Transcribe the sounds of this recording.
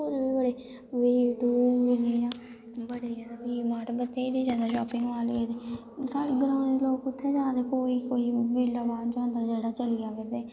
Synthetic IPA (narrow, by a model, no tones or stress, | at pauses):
oɾbiːbəɽeː | ʋiːɖuːʋiɖiːd͡ʒãː | bəɽeːd͡ʒaːd̪aːbiːmaːʈbət̪ːeːid̪eːd͡ʒaːd̪aːʃɔːpɪ̃ŋɡʋaːled̪eː | saɾɡəɾãːd̪eloːkʊt̪ʰːeːd͡ʒaːd̪eːkoːiːkoːiːbiːɖaːbaːdd͡ʒõːnd̪aːd͡ʒeːɽaːt͡ʃəlijaːʋeːd̪eː